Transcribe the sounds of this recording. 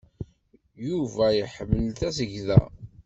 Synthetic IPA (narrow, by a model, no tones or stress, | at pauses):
juvæjəħəmːəlt̪æsəʝðæ̰